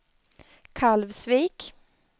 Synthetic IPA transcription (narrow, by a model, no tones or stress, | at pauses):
kʰalvsviːk